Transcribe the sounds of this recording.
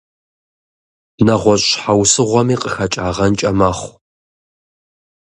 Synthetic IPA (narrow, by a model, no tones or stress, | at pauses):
nɐʁʷɔɕʼħawsɨʁʷɔmiːqʼəxɐt͡ʃʼaːʁɐnt͡ʃʼɐmɐχʷ